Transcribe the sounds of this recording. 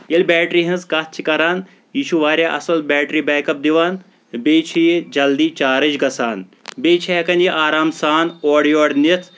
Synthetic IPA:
jɐlbɛːʈɾiɦɐ̃nzkat̪̚t͡ʃʰikɐɾaːn | jiːʃuʋaːɾʲjaʔɐsɐlbɛːʈɾiːbɛːkɐp̚d̪iʋaːn | beːt͡ʃʰijed͡ʒɐld̪iːt͡ʃaːɾɐd͡ʒɡɐsaːnbeːt͡ʃʰiɦɐkɐnjiʔaːɾaːmsaːnoːɽijoːɽnit̪ʰ

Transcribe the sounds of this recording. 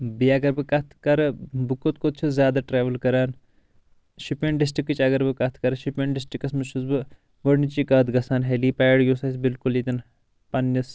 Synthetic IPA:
biɐɡɐɾbɨkɐt̪ʰkɐɾbɨkot̪kot̪̚t͡ʃʰuzjaːd̪aːʈɾeːʋɐlkɐɾaːn | ʃipeɳɖis̬ʈɾikːɨt͡ʃɐɡɐɾbɨkɐt̪ʰkɐɾʃipeːɳɖɪsʈikːɐsmɨʃuzbɨ | ʋɐɽnit͡ʃikɐːt̪ɡɐsaːnɦeliːpaːɖjoːsɐs̬bilkulit̪ʲɐn | pɐnjɐs

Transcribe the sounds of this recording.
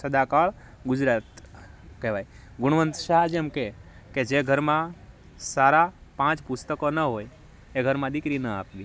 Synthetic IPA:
səd̪akaɭ | ɡʊd͡ʒɾaːt̪kɛʋaj | ɡʊɽ̃ʋənt̪ʃaɦd͡ʒemke | ked͡ʒeɡʱəɾmã | saɾapãt͡ʃpʊst̪əkonəɦoj | eɡʱəɾmãd̪ɪkɾinəaːpʋi

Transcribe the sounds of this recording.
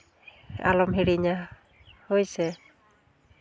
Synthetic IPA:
a̰lɔmɦiɽiɲa | hojsɛ

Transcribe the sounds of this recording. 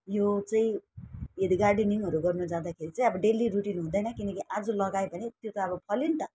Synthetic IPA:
jot͡saĩ | ed̪iɡarɖiniŋɦʌɾuɡʌrnud͡zãd̪akʰeɾit͡saĩʌbʌɖeliruʈinɦũd̪ʌjnʌkinʌkiʔad͡zulʌɡajbʱʌnet̪jot̪ʌːbʌpʰʌlint̪ʌ

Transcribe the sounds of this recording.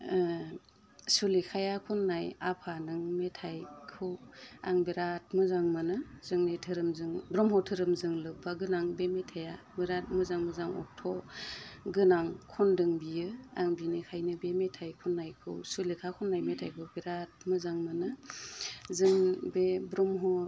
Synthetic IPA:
sulikʰajakʰunːajapʰanɯŋmetʰajkʰɯwa̰ŋbeɾat̚mɯzaŋmɯnɯzɯŋnetʰɯɾɯmzɯŋbɾɔmɦɔtʰɯɾɯmzɯŋlɯpʰaɡɯnaŋbemetʰaja | bɯɾat̚mɯzaŋmɯzaŋɔ̰k̚tʰɔ | ɡɯnaŋkʰɔndɯŋbijɯaŋbinekʰajnɯbemetʰajkʰunːajkʰɯ̰wsulikʰakʰunːajmetʰajkʰɯwbeɾat̚mɯzaŋmɯnɯ | zɯŋbebɾɔmɦɔ

